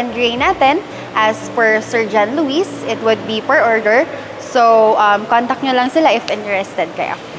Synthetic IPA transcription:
ɛnɡɹenaːt̪ɛn | ʔɐsfɔɹsɛɹd͡ʒanluːisɪt̪wʊd̪̚bipɛɹʔoɹd̪ɛɹ | sowʔɐmkɔnt̪ɐk̚ɲolɐŋsɪlaʔɪfʔɪnt̪ɛɹɛst̪ɛd̪̚kɐ̰jo̰

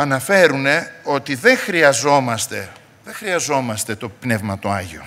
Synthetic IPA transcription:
ɐnɐfe̞ɾune̞o̞t̪iðe̞ŋxɾiɐzo̞mɐst̪e̞ | ðe̞xɾiɐzo̞mɐst̪e̞t̪o̞pne̞vmɐt̪oɐʝio̰

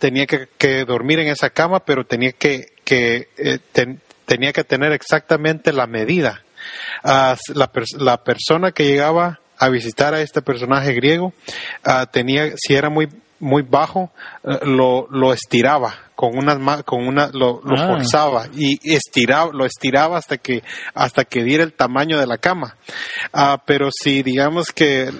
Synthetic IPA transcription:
t̪eniakekeðo̞ɾmiɾe̞ŋe̞sakamape̞ɾot̪e̞niake | ket̪en | t̪eniake̞t̪e̞ne̞ɾeksak̚t̪amẽnt̪e̞lame̞ðið̞a | aslapeɾlape̞ɾso̞nake̞ʝe̞ɣaβaː | βis̬it̪aɾae̞st̪epeɾs̬o̞naxe̞ɣɾje̞ɣo̞at̪eniasie̞ɾamuj | mujβaxo̞lolo̞est̪iɾaβakoŋunamakoŋunalolofoɾsaβaiest̪iɾaβloest̪iɾaβaːst̪akeast̪ake̞ðje̞ɾaelt̪amãɲo̞ðelakama | ape̞ɾo̞siðiɣamoske

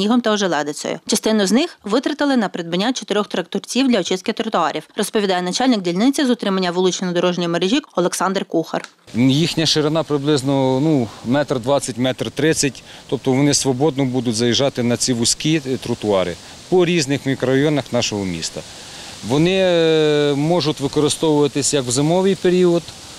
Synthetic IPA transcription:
nʲiɦɔmt̪ɐɔʒɛlˠɛd̪ɪt͡s̪ʲɔ̰jʊ̰t͡ʃɐst̪ɪnʊznɪxʋɪt̪ɾɐt̪ɪlˠɪnɐpɾɪd̪̚bɐnʲːat͡ʃɔt̪ɪɾʲɔxt̪ɾɐk̚t̪ɔrt͡sʲiwd̪ʲlʲɐɔt͡ʃɪskɪt̪ɾʊt̪ʊɑɾʲʔiwrɔspɔʋʲid̪ɑjɛnɐt͡ʃɑlʲnɪɡ̚dʲilʲnɪt͡sʲɐzʊt̪ɾɪmɐnʲːɐʋɪlˠut͡ʃnɔd̪ɔɾɔʒnʲijmeɾeʒʲikɔlˠeksɑnd̪rkuxɐ̰r | jixnʲɐʃɪɾenɑpɾɪblˠɪznɔnumɛt̪rd̪ʋɑt͡sʲːɐtʲmɛt̪rt̪ɾɪt͡sʲːɐtʲt̪ɔp̚t̪ɔʋɔnɪsʋɔbɔd̪nɔbud̪ʊtʲzɐjiʒɑt̪ɪnɐt͡sʲiʋʊsʲkʲit̪ɾʊt̪ʊɑɾɪ̰ | pɔɾʲiznɪxmʲikɾɔɐjɔnɐxnɑʃɔɦɔmʲḭst̪ɐ | ʋɔnɪ | mɔʒʊtʲʋɪkɔɾɪst̪ɔʋʊʋɐt̪ɪsʲjɐkwzɪmɔʋɪjpeɾʲiɔd̪

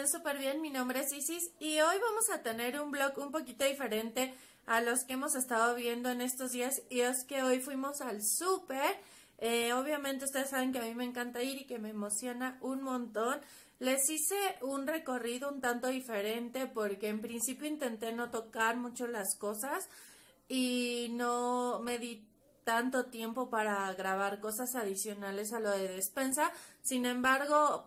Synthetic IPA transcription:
ensupe̞ɾβje̞nminõ̞mbɾeesisisio̞jβamo̞sat̪e̞ne̞ɾumblo̞kumpo̞kit̪o̞ðife̞ɾe̞nt̪e̞ | alo̞skeemo̞se̞st̪aðoβje̞nd̪o̞e̞ne̞st̪o̞zðiasieske̞o̞jfwimo̞salsupe̞ɾ | eo̞β̞jament̪e̞ust̪eesaβe̞ŋkeamime̞ːŋkant̪aiɾike̞me̞ːmo̞sjo̞naʔunmõ̞nt̪o̞n | le̞sise̞unre̞ko̞riðo̞unt̪ant̪o̞ðife̞ɾe̞nt̪e̞po̞ɾke̞ːmpɾinsipjoint̪e̞nt̪e̞no̞t̪o̞kaɾmũt͡ʃolasko̞sas | ino̞me̞ði | t̪ant̪o̞t̪je̞mpo̞paɾaɣɾaβ̞aɾko̞sasaðisjo̞nale̞s̬aloðe̞ðespe̞nsasinẽ̞mbaɾɣo̞

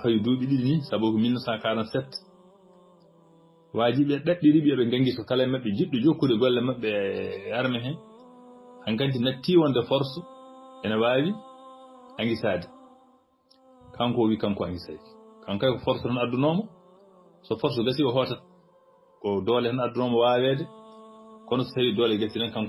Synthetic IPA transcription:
hajuduɓiɗiɗinisabɔjkɔminːɔsakaːɾansɛtː | waːd͡ʒiɓɛɗaɗːiɾiɓiaɓɛŋɡaŋɡisɔkalajmaɓːɛd͡ʒiɗːud͡ʒokːudɛɡɔlːɛmaɓːɛaɾmɛɦɛn | haŋkant̬inatːiwɔndɛfɔɾsɔʔɛnawaːwi | ʔaŋɡisaːdɛ | kʰaŋkɔwikamkɔaŋɡisa̰jki̥kʰamkajkɔfɔɾsɔhanadːunɔmɔ | sɔfɔɾs̬ɔɡasiɔɦɔtat | kɔdɔlɛhanadunɔmɔwawɛːdɛ | kɔnɔsɔ̥sawidɔːlɛɡasinankam

